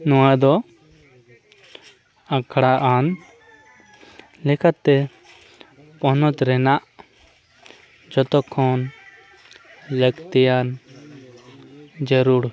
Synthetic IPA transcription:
nɔwad̪ɔ | ãkʰɽaʔan | lɛkʰat̪ɛ | pɔnɔt̪ɾɛnaʔ | d͡ʒɔt̪ɔkʰɔn | ləkt̪ɛjan | d͡ʒəɾuɽ

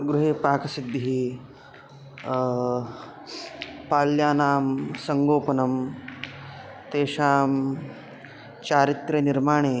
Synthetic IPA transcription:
ɡɾuɦeːpaːkɐsid̪ʱːiɦiː | paːljaːnaːmsɐŋɡoːpɐnɐm | t̪eːɕaːm | t͡ɕaːɾit̪ɾɐniɾmaːɳ̃eː

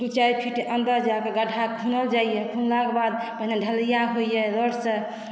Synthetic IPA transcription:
ut͡ʃajpʰiʈeʔənd̪əɾd͡ʒakeɡəʈʰakʰunəld͡ʒajjɛkʰunlakebad̪̚pəɦinaɖʱəlijaɦoijɛɾəɽsə̃

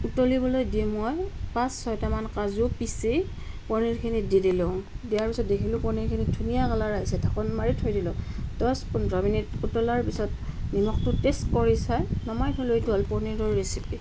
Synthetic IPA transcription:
utolibɔlojdimɔjpãsːɔjtamankazʊpisi | pɔɹniɹkʰinididilõ | dijaɹpisɔt̚dekʰilʊ̃pɔɹniɹkʰinitʰunijakalaɹaisɛtʰakɔnmaɹitʰojdilʊ̃dɔspundɹɔminitutɔlaɹpisɔtnimɔk̚tʊtestkɔɹisajnɔmajtʰɔlojtuɔlpɔɹniɹɔɹɹesipi

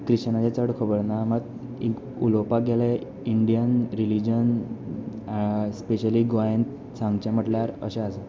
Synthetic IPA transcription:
kɾiɕt͡ɕnat͡ɕet͡səɽkʰəbəɾnamət̪ | ek | ulopaɡʱɛlẽ | iɳɖijənɾilid͡ʑən | speɕəliɡojənt̪ | t͡sãŋɡt͡ɕẽm̤əʈljaɾə̰ɕẽəse

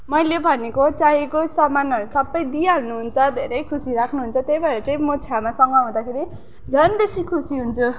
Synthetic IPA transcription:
mʌjlebʱʌnekot͡saikosʌmanʌɾusʌbːʌjd̪iaɦlnuɦunt͡sʰʌd̪ʱeɾʌjkʰusiɾakʰnuɦunt͡sʰʌt̪ejbaeɾʌt͡saĩmot͡sʰjamasʌŋɡʌɦũd̪akʰeɾi | d͡zʱʌnbesikʰusiɦunt͡sʰu

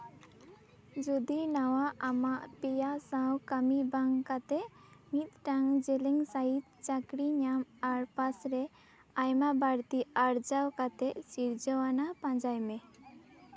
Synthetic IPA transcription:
d͡ʒud̪inawaʔamaʔpɛjasãwkəmibaŋkat̪ɛʔmit̪̚ʈaŋd͡ʒɛlɛŋsait̪̚t͡ʃakɽiɲamaɾpasɾɛ | ajmabaɾt̪iaɾd͡ʒawkat̪ɛʔsiɾd͡ʒɔwanapãd͡ʒajmɛ

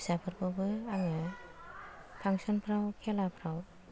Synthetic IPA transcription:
sapʰɯɾkʰɔbɯaŋɯ | pʰaŋsɔnpʰɾawkʰelapʰɾaw

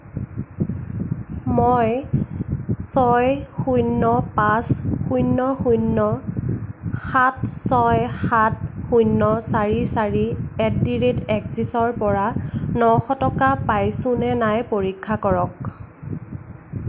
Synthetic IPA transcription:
moj | sɔjxujnːɔpasxujnːɔxujnːɔ | xatsɔjxatxujnːɔsaɹisaɹiɛtdiɹitɛkzisɔɹpɔɹanɔxɔtɔkapajsʊ̃nɛnajpoɹikʰːakɔɹɔk

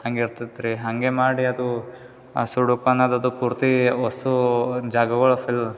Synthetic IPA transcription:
hɐŋɡeiɾt̪id̪ɾiɦɐŋɡemaːɽiɐd̪u | suɽupɐnad̪ɐd̪upuːɾt̪iɔsud͡ʒaːɡɐɡɐɭɐfil

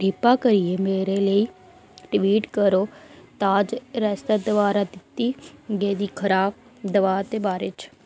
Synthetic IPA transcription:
ɖɪpaːkəɾijeːmeːɾeːləiː | ʈʋiːʈkəɾoːt̪aːd͡ʒɾɛːst̪əd̪əʋaːɾaːd̪ɪt̪iːɡeːd̪iːkʰəɾaːb | d̪əʋaːt̪eːbaːɾet͡ʃ

